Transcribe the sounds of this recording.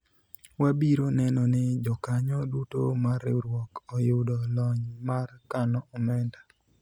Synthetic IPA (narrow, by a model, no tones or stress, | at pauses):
wabiɾonɛnɔnɪd͡ʒɔkaɲɔdutomaɾɪɾwɔkɔjʊdɔlɔɲmarkanɔɔmɛnda